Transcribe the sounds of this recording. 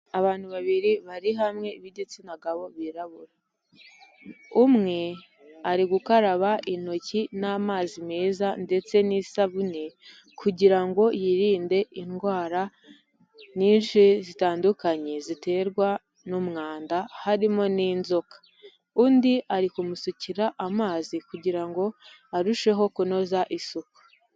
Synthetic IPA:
aβaːn̥huβaβiɾiβaɾiɦamŋe̞iβiɟet͡sinaɡaβo̞βiɾaβuɾa | umŋe̞ | aɾiɡukaɾaβaʔino̞cinaːmaːzimeːzande̞t͡se̞nisaβune̞ | kʰuɟiɾaŋɡo̞jiɾiːnde̞ʔinɡwaːɾa | niːnʃizitaːndukaɲe̞zite̞ːɾɡwa | numŋaːndahaɾimo̞niːnzo̞kḁ | uːndiʔaɾikumusuciɾaʔamaːzikuɟiɾaŋɡo̞ | aɾuʃe̞ɦo̞kuno̞zaʔisuku̥

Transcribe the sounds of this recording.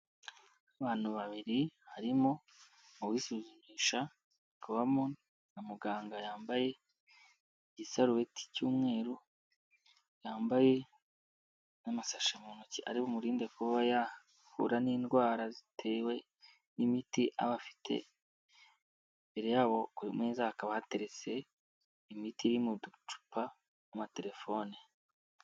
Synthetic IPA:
aβaːn̥huβaβiɾihaɾimo̞ | uβwiːsuːzuɲiːʃa | kʰuβamo | namuɡaːŋɡajaːmbaje̞ | ɟisaɾuwe̞tʰi̥cuːmŋe̞ːɾu | jaːmbaje̞ | namasaʃamunuciʔa̰ɾiβomuɾiːnde̞kuβaja | fṵɾaniːndɡwaːɾazitʰe̞ːwe̞ | nimitiʔa̰βafi̥tʰe̞̰ | mbeɾejaβo̞kuɾimŋeːzahakaβahate̞ɾe̞t͡se̞ | imitiɾimudut͡ʃu̥pa | umate̞ɾe̞fo̞ni

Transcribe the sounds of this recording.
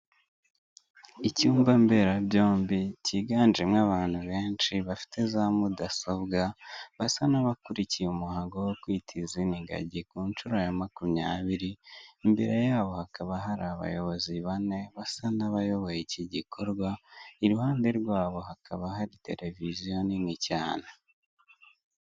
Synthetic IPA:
icuːmbambe̞ɾabjo̞ːmbiciɡaːnd͡ʒemŋaβaːn̥huβe̞ːnt͡ʃiβafi̥te̞zamudasoβɡaβasanaβakuɾicijeumuhaːŋɡowokwiːtʰiziniɡa̰ɟikuːnt͡ʃuɾojamakumɲaːβiɾiːmbeɾe̞jaːβo̞hakʰaβaɦaɾaβa̰jo̞βo̞ziβane̞βasanaβajo̞βo̞jeciɟikʰo̞ɾɡwaiɾuhaːnde̞ɾɡwaːβo̞ɦakʰaβaɦaɾite̞̰ɾe̞vizjo̞ninicaːna

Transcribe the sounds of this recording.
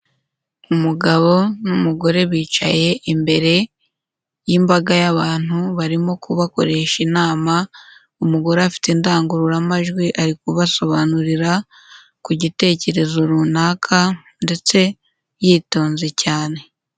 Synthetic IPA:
umuɡaβo̞numuɡo̞ɾe̞βiːt͡ʃa̰je̞ʔimbe̞ɾe̞ | jimbaɡajaβaːn̥huβaɾimo̞kuβako̞̰ɾe̞ʃinaːma | umuɡo̞ɾeafi̥tendaːŋɡuɾuɾamaʒɡwiʔaɾikuβaso̞βanuɾiɾa | kuɟite̞ːce̞ɾe̞zoɾunaːkʰa | nde̞t͡se̞ | jiːto̞ːnzecaːne̞

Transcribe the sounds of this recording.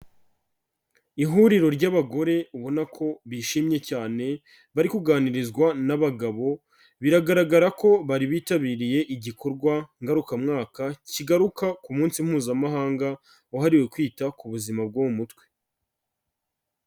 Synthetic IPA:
iɦuːɾiɾo̞ɾɟaβaɡo̞ɾe̞uβo̞nakʰo̞βiʃimɲe̞caːne̞ | βaɾikuɡaːniɾizɡwanaβaɡaβo̞ | βiɾaɡaɾaɡaɾako̞βaɾiβiːtaβiːɾije̞ʔiɟikʰo̞ɾɡwaŋɡaɾukamŋaːkaciɡaɾukakumuːnsim̥huːzamaɦaːŋɡa | oɦaɾiwe̞kwiːtakuβuzimab̚ɡomumutwe̥

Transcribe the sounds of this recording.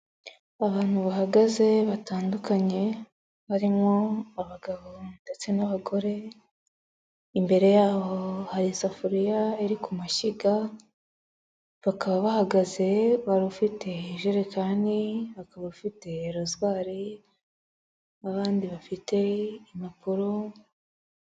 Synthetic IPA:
aβaːn̥huβaɦaɡaze̞βataːndukaɲe̞ | βaɾimŋo̞aβaɡaβo̞nde̞t͡senaβaɡo̞ɾe̞ | imbe̞ɾe̞jaːhohaɾisafuɾijaeɾikumaʃiɡa | βakaβaβahaɡaze̞βaɾufite̞iʒuɾekʰaːniβakaβaufite̞ːɾozwaːɾi | aβaːndiβafite̞imapuɾo

